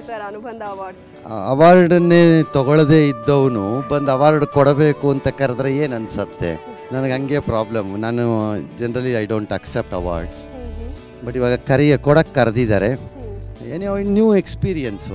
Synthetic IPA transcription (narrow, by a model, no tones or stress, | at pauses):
ɐnd̪ | ɐʋaːɾɖɐnːeːt̪ɔɡɔɭd̪e̞ːid̪ːɐʋɐnubɐnd̪ɐʋaːɾɖkɔɽɐbe̞ːkuɐnt̪ɐkɐɾɐd̪ɾeeːnɐnsɐt̪ːe̞̰ | nɐnɐɡɦɐŋɡeːpɾaːblɐmnaːnud͡ʒenɐɾɐliɐjɖoːɳʈɐksep̚ʈɐʋa̰ːɾɖs | bɐʈːiʋaːɡɐkɐɾiɡekɔɽɐkːɐɾɐd̪id̪aːɾe̞ | eːniɐʋnjuːekspiːɾijɐns